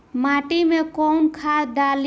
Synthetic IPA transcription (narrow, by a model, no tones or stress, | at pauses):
maʈimẽkɔnkʰad̪al